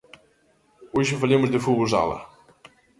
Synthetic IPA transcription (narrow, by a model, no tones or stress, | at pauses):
oʒɨfɐlemʊzðɨfuβoza̰lˠɐ̰